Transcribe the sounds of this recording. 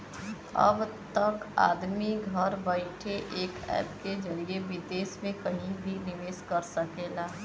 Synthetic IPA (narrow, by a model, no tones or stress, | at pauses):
ɐ̰bt̪ɐka̰ːd̪miɡʱɐɾbaɪʈʰeʔeːkɛ̰ːpked͡ʒɐɾieʋɪd̪eːsmẽkɐɦĩbʱinɪʋeːskɐɾsɐkeːlaː